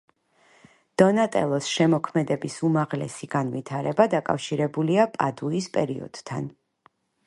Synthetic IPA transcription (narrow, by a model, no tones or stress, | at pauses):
d̪̥ɔnat̪ʼɛ̰lˠɔsʃɛmɔkʰmɛd̪ɛbisumaʁlɛsiɡanvit̪ʰaɾɛbad̪akʼa̰fʃiɾɛbuliapʼad̪uispʼɛɾiɔ̰d̪̥t̪ʰa̰n